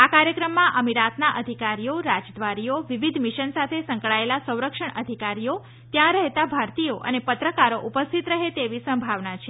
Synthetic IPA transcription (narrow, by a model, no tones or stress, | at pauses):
akaɾjəkɾəmːãʔəmiɾat̪naʔəd̪ʱikaɾijoɾad͡ʒd̪ʋaɾijoʋiʋid̪ʱmiʃənsat̪ʰesə̃ŋkɭaelasə̃w̃ɾəkʂəɳʔəd̪ʱikaɾijo | t̪jãɾəɦet̪abʱaɾt̪ijoʔə̰nepət̪ɾəkaɾoʔupəst̪ʰit̪ɾəɦet̪eʋisə̃mbʱaʋnat͡ʃʰe